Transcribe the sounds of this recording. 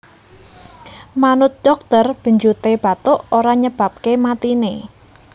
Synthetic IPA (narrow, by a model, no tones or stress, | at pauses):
manʊt̪̚d̪̥ɔk̚t̪ərb̥ə̤ɲd͡ʒut̪eb̥a̤t̪ʊʔoɾaɲəb̥a̤p̚kemat̪ine